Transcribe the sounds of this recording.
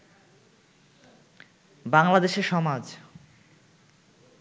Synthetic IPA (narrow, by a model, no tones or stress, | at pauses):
baŋlad̪eʃeɾʃɔmad͡ʑ